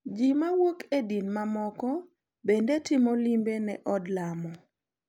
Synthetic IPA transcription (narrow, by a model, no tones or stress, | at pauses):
d͡ʒimawokedinmamɔkɔ | bendetɪmolimbenɛʔɔdlamɔ